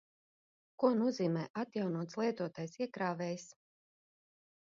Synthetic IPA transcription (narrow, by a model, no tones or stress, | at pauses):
kuɔnuɔziːmɛːʔat̪jawnuɔt̪slˠiɛt̪uɔt̪aːjsiɛkɾaːvɛjs